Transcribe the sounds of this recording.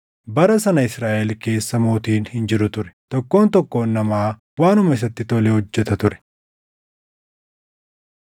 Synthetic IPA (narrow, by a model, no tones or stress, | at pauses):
bɐɾɐsɐnɐɪsɾaːʔɛlke̞ːsːɐmoːt̪iːnhɪnd͡ʒɪɾʊt̪ʊɾɛ̥t̪ɔkːo̞ːnt̪ɔkːo̞ːnːɐmaː | waːnʊmɐɪs̬ɐt̪ːɪt̪ɔlehɔd͡ʒːɛt̪ɐt̪ʊɾɛ̥